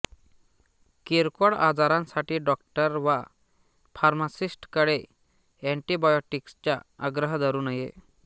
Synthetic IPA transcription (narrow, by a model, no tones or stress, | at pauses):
kiɾkɔɭa̰d͡zaɾãnsaʈiːɖɔk̚ʈəɾʋa | faɾmasisʈkəɽe | ɛɳʈibajɔʈikst͡ɕjaaɡɾəɦd̪ʱəɾuːnəjḛ